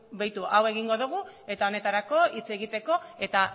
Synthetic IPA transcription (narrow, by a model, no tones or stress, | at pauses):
bajt̪uʔawe̞ɣiŋɡo̞ðuɣ̞u | e̞t̪ao̞ne̞t̪aɾako̞it͡se̞ɣit̪e̞ko̞e̞t̪a